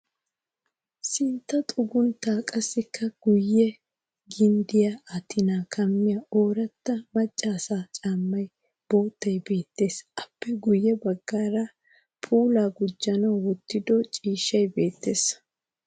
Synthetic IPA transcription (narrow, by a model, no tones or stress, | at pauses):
sɪnt̪ːɐt̪ʼʊɡʊnt̪aːkʼɐsːɪkːɐɡ̥ʊjːɛ | ɡɪnd̪ɪjaɐt̪ɪnaːkʰɐmːɪjɐʔo̞ːɾɐt̪ːɐmɐt͡ʃʼːaːsaːt͡ʃʼaːmːɐj | b̥o̞ːt̪ːɐjbe̞ːt̪ːe̞ːsʔɐpːɛɡʊjːɛbɐɡːaːɾa | pʰuːlaːɡʊd͡ʒːɐnɐwwɔt̪ːɪd̪ɔt͡ʃʼiːʃɐjbe̞ːt̪ːe̞ːs